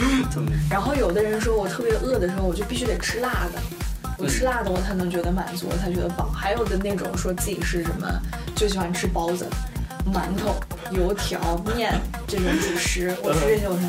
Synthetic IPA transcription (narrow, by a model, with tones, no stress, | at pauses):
ɻa˧˥nxo˥˩ʊjo˨˩ʊd̪ə˦ɻə˧˥nʂɔ˥˩wɔ˨˩t̪ʰɤ˥˩pjɛ˧˥ʔɤ˥˩d̪ə˩ʂɻ̩˧˥xʊwɔ˨˩t͡ɕo˥˧pi˥˧ɕy˥k̪e˨˩ɪʈ͡ʂʰɻ̩˥la˥˩d̪ə̰˩ | wɔ˨˩ʈ͡ʂʰɻ̩˥la˥˩d̪ə˧wɔ˨˩t͡sʰa˧˥ɪnɤ˧˥ŋt͡ɕɥɛ˧˥d̪ə˧ma˨˩nt͡su˧˥wɔ̰˨˩t͡sʰa˧˥ɪt͡ɕɥɛ˧˥ə˧pɑ̰˨˩˦ʊxa˧˥ɪjo˨˩ʊd̪ə˦ne˥˩ɪʈ͡ʂʊ̰˨˩ŋʂwɔ˥t͡sɹ̩˥˩t͡ɕi˨˩ʂɻ̩˥˩ʂə̰˧˥nmə̰˧ | t͡ɕjo˥˩ʊɕ̬i˨˩xwa˥˩n˩ʈ͡ʂʰɻ̩˥pɑ˥ʊt͡sə̰˨˩ma˧˥nt̪ʰo˨˩˦jo˧˥ʊt̪ʰjɑ˧˥ʊmjɛ˥˩n | ʈ͡ʂɤ˥˩ʈ͡ʂʊ˨˥˦ŋt͡ɕi˨˩ʂɻ̩˧˥wɔ̰˨˩˥ɔ˨˩˧